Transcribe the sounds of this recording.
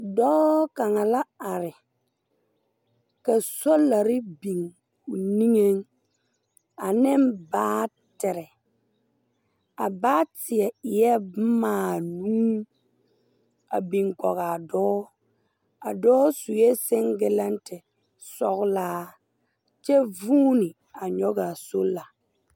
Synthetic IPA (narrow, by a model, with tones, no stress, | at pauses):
dɔː˦ka˨ŋa˨la˦a˨ɾɪ˨ | ka˨sɔ˦la˨ɾɪ˦bi˨ŋ | kʊ˨ni˦ŋe˦ŋ | a˨nɪ˦mbaː˦ | tɪ˨ɾɪ˨ | a˨baː˦tɪ˨ɛ˨ɪ˨jɛ˦maː˦˨nuː˦ | a˨bi˨ŋkɔ˨ɣa˨dɔː˦ | a˨dɔː˦su˨jɛ˦sɪ˦ŋɡɪ˦la˦ntɪ˨ | sɔ˦ɣlaː˦ | t͡ʃɛ˦vuː˦nɪ˨ | a˨ɲɔ˦ɡa˨so˦lːa˨